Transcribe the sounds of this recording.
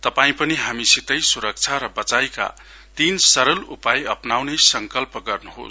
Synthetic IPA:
t̪ʌpaĩpʌniɦamisit̪ʌjsuɾʌk̚t͡sʰaɾʌbʌt͡sajka̰ | t̪insʌɾʌlupajʌpnawnesʌŋkʌlpʌɡʌrnuɦo̰s

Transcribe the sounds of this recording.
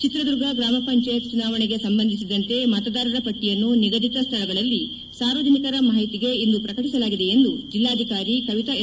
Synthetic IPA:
t͡ʃit̪ɾɐd̪uɾɡɐɡɾaːmɐpɐɲt͡ʃaːjɐt̪t͡ʃunaːʋɐɳeɡe̞sɐmbɐnd̪ʱisid̪ɐnt̪e̞mɐt̪ɐd̪aːɾɐɾɐpɐʈːijɐnːuniɡɐd̪it̪ɐst̪ʰɐɭɐɡɐɭɐlːi | saːɾʋɐd͡ʒ̪ʱɐnikɐɾɐmɐɦɐjt̪iɡe̞ind̪upɾɐkɐʈisɐlaːɡid̪e̞end̪ud͡ʒilːaːd̪ʱikaːɾikɐʋit̪ɐ

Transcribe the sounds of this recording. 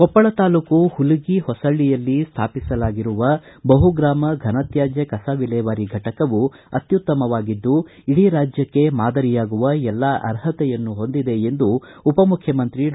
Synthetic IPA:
kɔpːɐɭɐt̪aːlukuhuluɡihɔsɐɭːijɐlːist̪ʰaːpisɐlaːɡiɾuʋɐ | bɐɦuɡɾaːmɐɡʱɐnɐt̪jaːd͡ʒjɐkɐsaʋilɛːʋɐɾiɡʱɐʈɐkɐʋu | ɐt̪jut̪ːɐmɐʋaːɡid̪ːu | iɽiɾaːd͡ʒjɐkːe̞maːd̪ɐɾijaːɡuʋɐɛlːɐʔɐ̰ɾɦɐt̪ɛjɐnːuɦo̞nd̪id̪e̞end̪uːpɐmukʰjɐmɐnt̪ɾi

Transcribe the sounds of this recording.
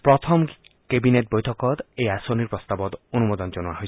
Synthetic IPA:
pɾɔt̪ʰɔm | kebinet̚bojtʰɔkɔt̪ejasoniɾpɾɔst̪abɔt̪onumod̪ɔnd͡ʒonuaɦojʰ

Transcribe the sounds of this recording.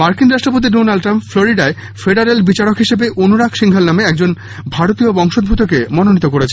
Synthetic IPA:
maɾkinɾaʃʈɾopot̪̬iɖonalɖʈɾampfloɾiɖae | feɖaɾelbit͡ɕaɾokɦiʃebeʔonuɾakʃiŋɡʱalnameɛk̚d͡ʑon | bʱaɾot̪ijobɔŋʃod̪̚bʱut̪ʰokemɔnonit̪okoɾet͡ɕʰe

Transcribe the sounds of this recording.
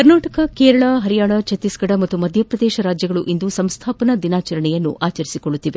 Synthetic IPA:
kɐɾnaːʈɐkɐkeːɾɐɭɐɦɐɾijaːɳɐt͡ʃɐt̪ːisɡɐɽɐmɐt̪ːumɐd̪ʱjɐpɾɐd̪ɛːʃɐɾaːd͡ʒjɐɡɐɭuʔind̪usɐmst̪ʰaːpɐnɐd̪inaːt͡ʃɐɾɐɳɛjɐnːṵʔaːt͡ʃɐɾisikoɭːut̪ːiʋe

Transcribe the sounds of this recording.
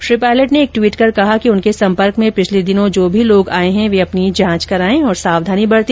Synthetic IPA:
ʃɾiːpaːɪləʈneːk̚ʈwiːʈkɐɾkɐɦakiʊnkesɐ̃mpəɾkmẽpɪt͡ʃʰled̪ɪnõd͡ʒoːbʱiloːɡaːeɦɛ̃ʋeɐpnid͡ʒãːt͡ʃkɐɾaːẽɔːɾsaːʋd̪ʱaːnibɐɽt̪i

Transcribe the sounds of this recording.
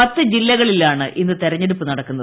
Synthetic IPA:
ɐt̪ːɨd͡ʑilːɐɣɐɭilaːɳɨʔinːɨt̪eɾɐɲːeɽupːɨnɐɽɐkːunːɐð

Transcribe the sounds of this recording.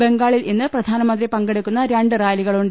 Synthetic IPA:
beŋɡaːɭilʔinːɨprɐd̪ʱaːnɐmɐnd̪ripɐŋɡeɽukːunːɐɾeɳɖɨraːjliɣɐɭuɳɖ

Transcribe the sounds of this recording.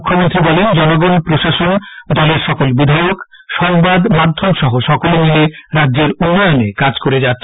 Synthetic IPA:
ukʰːomont̪ɾibɔlend͡ʑɔnoɡɔnpɾoʃaʃond̪ɔleɾʃɔkolbid̪ʱajok | ʃɔŋbad̪mad̪ʱːomʃɔɦoʃɔkolenileɾadːʑeɾunːɔjonekad͡ʑkoɾed͡ʑat̪ːɕʰ

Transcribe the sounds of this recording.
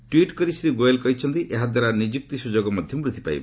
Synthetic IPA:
ʈwiʈkɔɾisɾiɡojelkɔɦit͡ʃʰɔnt̪iʔeɦad̪waɾanid͡ʒik̚t̪isud͡ʒoɡɔmɔd̪ʱjɔmpɾit̪ʰi̥pa̰j̰b

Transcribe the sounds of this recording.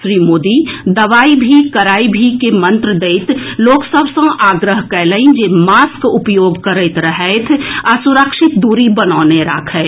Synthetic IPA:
ʃɾiːmoːd̪id̪ɐʋaːibʱikəɾaːibʱikemə̃nt̪ɾəd̪eɪt̪ʰloːksəbʱsə̃ʔaːɡɾəɦkɛːləĩd͡ʒeːmaːskʊpjoːɡkəɾet̪ɾəɦɛɪt̪ʰəsʊɾəkʃɪt̪̚d̪uːɾibənaːneɾa̰ːkʰɦɛ

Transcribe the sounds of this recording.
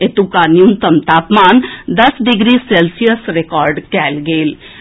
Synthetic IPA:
et̪ukanijunt̪əmt̪aːpmaːnd̪ɐsɖɪɡɾiseːlsijəsɾekɔːɾɖkɛːlɡeːl

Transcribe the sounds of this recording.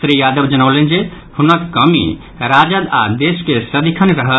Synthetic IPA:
t̪ɾijad̪əbd͡ʒənəʊlend͡ʒe | hunəkkːəmḭ | ɾad͡ʒəd̪a̰d̪eskesəd̪ikʰənɾəɦə

